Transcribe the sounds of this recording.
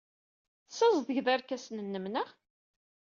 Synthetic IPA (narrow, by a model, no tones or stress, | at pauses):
sæzˤðəʝðæɾkæsnənːəmnəʁ